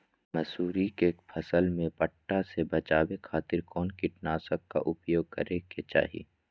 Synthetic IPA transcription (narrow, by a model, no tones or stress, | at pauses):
mɐsuːɾikeːkpʰɐsəlmẽpəʈːasebɐt͡ʃaːwekʰaːt̪ɪɾkɔːnkɪʈnaːsəkːa̰ʔʊpjoːɡ̚kɐɾeket͡ʃa̰ːɦḛː